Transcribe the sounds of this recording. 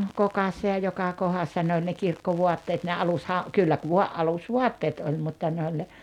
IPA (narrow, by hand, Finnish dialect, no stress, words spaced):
kokɑsːɑ jɑ jokɑ kohɑsːɑ ne olʲ ne kirkːoʋuɑtːeːt ne ɑlushɑ kylːæ ku ʋuɑ ʔɑlusʋuɑtːeːt olʲ mutːɑ ne olʲ ne